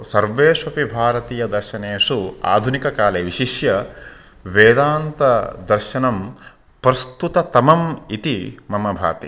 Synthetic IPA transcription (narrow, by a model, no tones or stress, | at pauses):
sɐɾʋeːʂɐpibʱaːɾɐt̪iːjɐd̪ɐɾʃɐneːʂua̰ːd̪ʱunikɐkaːleːʋiʃiʃjɐ | ʋeːd̪aːnt̪ɐd̪ɐɾʃɐnɐm | pɾɐst̪ut̪ɐt̪ɐmɐmit̪imɐmɐbʱa̰ːt̪ḭ